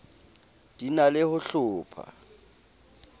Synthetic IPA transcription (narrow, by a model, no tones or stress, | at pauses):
d̥inalɪhʊɬʊːpʰa̰